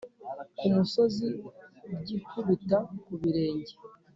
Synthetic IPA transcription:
kumuso̞zibɟiːkuβutakuβiɾe̞ːɲɟe

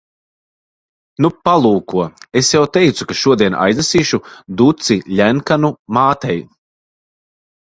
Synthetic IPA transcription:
nupalˠuːkuɔesjawt̪ɛjt̪sukaʃuɔd̪iɛna̰jznɛsiːʃud̪ut̪siʎʲæŋkanumaːt̪ɛj

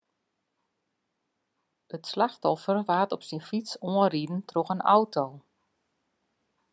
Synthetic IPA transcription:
ətslaxtɔfərʋaːtɔpsinfisoəridn̩trɔxəna̰wtʰoː

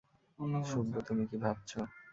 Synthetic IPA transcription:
onʃubːot̪umikibʱab̚t͡ɕʰo

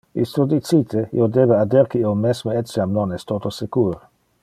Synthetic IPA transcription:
ḭst̪od̪it͡ʃit̪ʰeḭod̪eːbead̪eɾkeiomɛsmeɛsjamnonɛst̪ot̪osekuːɾ

